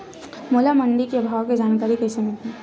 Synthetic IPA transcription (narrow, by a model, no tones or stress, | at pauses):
molamɐɳɖikeɐbʱaːʋked͡ʒaːnkaːɾikɐɪsemɪlt̪eː